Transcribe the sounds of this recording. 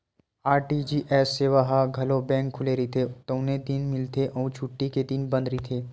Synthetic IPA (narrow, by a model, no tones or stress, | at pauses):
aːɾʈid͡ʒiʔɛːsːeːʋaɦaɡʱɐlobɛ̃ːŋkʰːʊleɾit̪ʰet̪oʊnẽd̪ɪnmɪlt̪ʰeʔɔːt͡ʃʰʊʈːiked̪ɪnbə̃nd̪ɾit̪ʰeː